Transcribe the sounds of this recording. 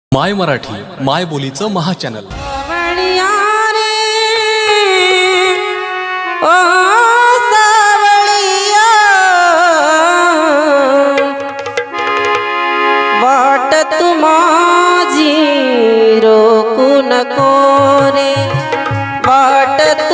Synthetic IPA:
majməɾaʈʰḭː | majbolit͡səməɦat͡ɕɛnə̰lməɽijaɾi | o | d̪aʋəɭija | baʈət̪ːuma | d͡ʑʱi | ɾokunəkoɾe | baʈət̪

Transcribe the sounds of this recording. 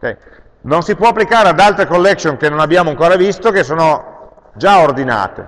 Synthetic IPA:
kɛ̰j | nonsipwɔapːlikaːɾead̪alt̪ɾekolːɛksjonkenonabːjaːmoaŋkoːɾavist̪okesːoːno | d͡ʒaord̪ina̰ːt̪ḛ

